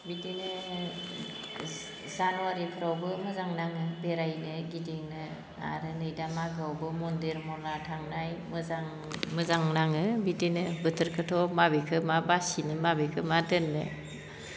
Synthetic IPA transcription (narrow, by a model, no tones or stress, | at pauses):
bidinɯ | zanuwaɾipʰɯɾawbɯmɯzaŋnaŋɯbeɾajnɯɡideŋnɯ | a̰ɾɯnɯjdamaɡawbɯmɔndeɾmɔnatʰaŋnajmɯzaŋ | mɯzaŋnaŋɯbidinɯbɯtʰɯɾkʰɯtʰɔmabekʰɯmabasinɯmabekʰɯmadɯnːɯ